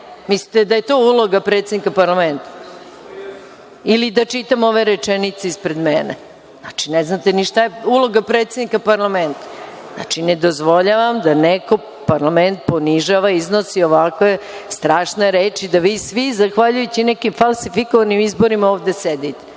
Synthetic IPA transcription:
mislit̪ed̪aje̞t̪o̞ulˠoɡapɾet̪sed̪nikapaɾlˠament̪ḁ | ilid̪at͡ʃit̪amo̞ʋe̞ɾet͡ʂɛnit̪seispɾed̪menḛ | znat͡ʃineznat̪eniʃt̪ajeulˠo̞ɡapɾet̪sed̪nikapaɾlˠament̪ḁ | zna̰t͡ʃined̪o̞zʋo̞ʎaʋamd̪aneko̞ | paɾlament̪̚po̞niʒaʋaiznosioʋakʋest̪ɾaːʃneɾeːt͡ʃid̪aʋiːsʋizaxʋaʎujut͡ɕinɛkimfalˠsifikoʋanimizboɾimaoːʋd̪esed̪it̪e̥

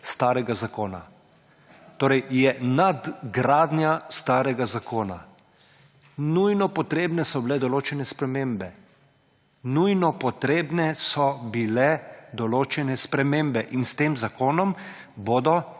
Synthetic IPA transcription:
st̪aːɾɛɡazakoːna̰ | t̪oːɾɛjjɛnad̪ɡɾaːd̪njast̪aːɾɛɡazakoːna̰ | nujnɔpɔt̪ɾeːbnɛsɔbilɛd̪ɔloːt͡ʃɛnɛspɾɛmeːmbɛ | nujnɔpɔt̪ɾeːbnɛsɔbilɛd̪ɔloːt͡ʃɛnɛspɾɛmeːmbɛʔinst̪eːmzakoːnɔm | boːd̪ɔ

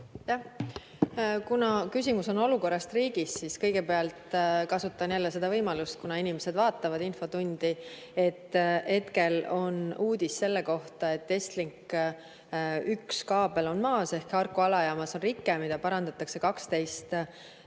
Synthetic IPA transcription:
jɑh | kunɑkys̬ʲimuso̞no̞luko̞rːɑst̪riːɡ̥isːiskɤ̞jɡ̥e̞peɑlt̪kɑsut̪ːˑɑnjælːese̞d̪ɑvɤjmɑlust̪̚kunɑinimese̞d̪̥vɑːt̪ːˑɑvɑd̪̥info̞t̪unʲd̪̥i | e̞t̪ːhe̞t̪ke̞lo̞nuːd̪̥ʲissːe̞lːeko̞ht̪ɑe̞t̪ːe̞st̪liŋk | ykskɑːb̥e̞lo̞nmɑːse̞hkɑrkːˑuɑlɑjɑːmɑso̞nrikˑːemid̪̥ɑpɑɾɑnd̪ɑt̪ːˑɑkse̞kɑkst̪e̞jst̪

